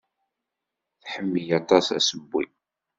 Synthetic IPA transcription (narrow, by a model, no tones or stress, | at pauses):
θħəmːijɑt̪ˤɑsæ̰səbːḭ